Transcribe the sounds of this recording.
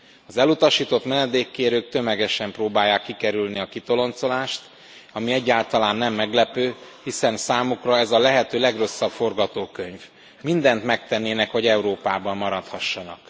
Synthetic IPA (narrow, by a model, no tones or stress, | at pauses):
ɒzɛlut̪ɒʃiːt̪o̞t̪mɛnɛd̪eːkːeːɾøːk̚t̪ø̞mɛɡɛʃɛmproːbaːjːaːkːikɛɾylniɒkit̪o̞lo̞nt̪so̞laːʃt̪ | ɒmiɛɟːaːlt̪ɒlaːnːɛmːɛɡlɛpøːhisɛnsaːmukrɒɛzɒlɛɦɛt̪øːlɛɡro̞sːɒbfo̞rɡɒt̪oːkø̞ɲv | mind̪ɛnt̪mɛkt̪ɛnːeːnɛkho̞ɟɛuɾoːpaːbɒmːɒɾɒt̪hɒʃːɒnɒ̰k